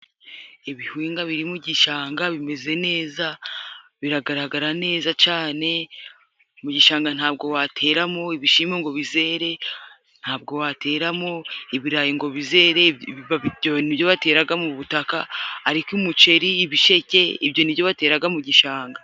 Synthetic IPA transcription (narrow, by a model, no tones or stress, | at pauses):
iβihwiːŋɡaβiɾimuɟiʃaːŋɡaβime̞ze̞ne̞ːzaβiɾaɡaɾaɡaɾane̞ːzat͡ʃaːne̞ | muɟiʃaːŋɡan̥haːb̚ɡo̞watʰe̞ːɾamo̞iβiʃiːmoŋɡo̞βize̞ːɾe̞ | n̥haːb̚ɡo̞watʰe̞ːɾamo̞iβiɾaːjiŋɡo̞βize̞ːɾe̞iβaβijonibjo̞βate̞ːɾaɡamuβutakaaɾikumut͡ʃe̞ɾiːβiʃe̞ce̞ibjo̞nibjo̞βate̞ːɾaɡamuɟiʃaːŋɡa